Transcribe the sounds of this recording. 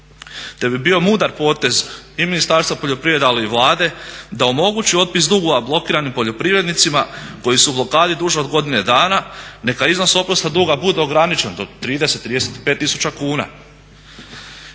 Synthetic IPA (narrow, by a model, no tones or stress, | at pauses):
t̪e̞bibio̞muːd̪aɾpo̞ːt̪e̞ziminist̪aːɾst̪ʋapo̞ʎo̞pɾiʋe̞d̪aliiʋlˠaːd̪e̞d̪ao̞mo̞ɡut͡ɕio̞t̪̚pis̬d̪uːɡuʋablˠo̞kiːɾanimpo̞ʎopɾiʋɾe̞d̪nit̪simako̞jisublo̞kaːd̪id̪uʒeod̪ɡo̞d̪ine̞d̪aːnane̞kaizno̞so̞pɾost̪ad̪uːɡabud̪e̞oɡɾanit͡ʃe̞nd̪o̞t̪ɾiːd̪ese̞t̪ːɾiːd̪eset̪i̥pe̞ːt̪ːisu̥t͡ʃakuːna̰